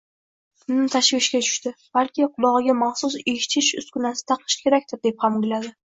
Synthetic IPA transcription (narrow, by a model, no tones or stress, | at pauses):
kʊnɪmt̪ʰaʃvɪʃkʲat͡ʃʰʊ̥ʃt̪ɪb̥alkʲɪqʰʊlˠɒʁɨɡʲamaχsʊset͡ʃʰɪʃʊ̰skʊnasɪ̥t̪ʰɑqʰɨ̥ʃkʲʰe̞ɾakʲt̪ɪɾd̪e̞p̚hamɡʲɪlad̪ɪ